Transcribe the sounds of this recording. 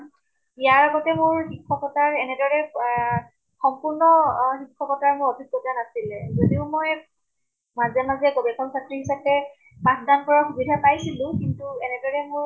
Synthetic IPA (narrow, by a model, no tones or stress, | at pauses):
ijaɹaɡɔtɛmʊɹxikʰːɔkɔtaɹɛnɛdɔɹɛ | xɔmpʊɹnɔxikʰːɔkɔtaɹmʊɹɔbʱik̚kotanasilɛzodiʊmoj | mazanazɛkobiakʰɔŋsʰatɹiɦisapɛ | pãsdankɔɹɔxubidʱapajsilʊ̃kintuɛnɛdɔɹɛmʊɹ